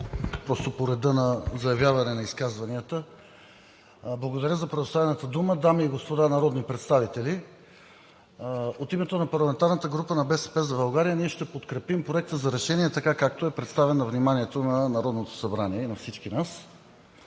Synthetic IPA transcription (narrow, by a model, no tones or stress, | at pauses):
pɾɔst̪opoɾɛd̪ənɐzɐjɐvjavɐnɛnɐiskazvɐniət̪ə | blˠɐɡod̪ɐɾjəzɐpɾɛd̪ost̪avɛnət̪əd̪uməd̪amiːɡospod̪anɐɾɔd̪nipɾɛt̪st̪avit̪ɛli | ot̪imɛt̪onɐpɐɾlˠɐmɛnt̪aɾnət̪əɡɾupənɐbɛsɛ̥pɛzɐbɐlˠɡaɾijəniɛʃt̪ɛpot̪kɾɛpimpɾoɛk̚t̪əzɐɾɛʃɛniɛt̪ɐkakak̚t̪oɛpɾɛt̪st̪avɛnːɐvnimaniɛt̪onɐnɐɾɔd̪not̪o̥sɐbɾaniɛinɐfsit͡ʃkinas